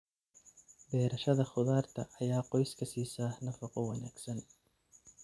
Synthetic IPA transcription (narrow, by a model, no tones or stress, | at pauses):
bɛːɾɐʃɐðɐχʊðaːrt̪ʰɐ̰ʔːjaːqɔjskʰɐsiːsaːhnɐfɐqɔwɑnaːɡ̥sɐn